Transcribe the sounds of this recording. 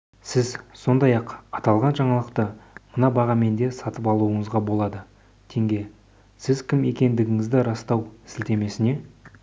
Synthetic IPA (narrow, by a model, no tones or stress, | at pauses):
sɪzso̞nd̪ɑjɑqɑt̪ɑlˠʁɑnʒɑɴɑlˠəqt̪əmənɑbɑʁɑme̞nd̪e̞sɑt̪əpɑlˠuəɴəzʁɑbo̞lˠɑd̪ə | t̪ʰe̞ŋɡʲe̞ | sɪzkʲɪme̞kʲe̞nd̪ɪɡʲɪŋɪzd̪ɪɾɑst̪ɑwɪsɪlt̪e̞me̞sɪne̞